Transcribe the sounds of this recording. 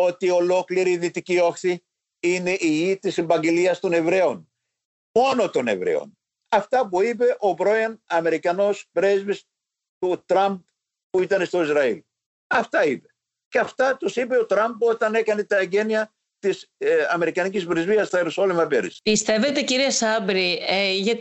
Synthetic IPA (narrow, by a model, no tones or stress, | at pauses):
o̞t̪io̞lo̞kliɾiðit̪icio̞xθi | ine̞ʔiʝit̪isebɐɲɟeliɐst̪o̞ne̞vɾe̞on | mo̞no̞t̪o̞ne̞̰vɾḛo̰n | ɐft̪ɐpuipe̞ʔo̞pɾo̞ɐnɐme̞ɾikɐno̞spɾezvis | t̪ut̪ɾɐmb̚ | puit̪ɐne̞st̪o̞izɾɐil | ɐft̪ɐipe̞̥ | ceɐft̪ɐt̪usipe̞o̞t̪ɾɐmpo̞t̪ɐne̞kɐne̞t̪ɐeɲɟe̞niɐ | t̪isɐme̞ɾikɐnicizpɾizviɐst̪ɐeɾusolimɐpeɾispist̪e̞ve̞t̪e̞ciɾiɐsɐbɾieʝɐt